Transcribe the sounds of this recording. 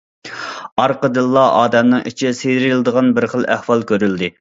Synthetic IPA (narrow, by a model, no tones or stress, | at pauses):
ɑɾqəd̪ɨlˠːɑɑ̰ːd̪ɛmnɨŋḭt͡ʃʰisejɾilɨd̪əʁɑnbɪɾχəlˠæhwɑlˠkʲøɾyld̪ɪ